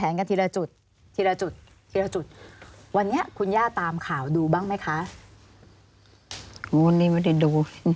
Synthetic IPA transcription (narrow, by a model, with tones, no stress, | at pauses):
ɛː˩˦nka˧nt̪ʰiː˧la˧t͡ɕu˨˩t̪̚ʰ | iː˧la˧t͡ɕu˨˩t̪̚ʰːi˧la˧t͡ɕu˨˩t̪̚wa˧nːi˦˥ɐkʰu˧njaː˥˩t̪aː˧mkʰaː˨˩wduː˧baː˥˩ŋma˦˥jkʰa˦˥ʔ | o˧˦˨nːiː˥˩˨ma˧˥˩da˥˩jdoː˨˧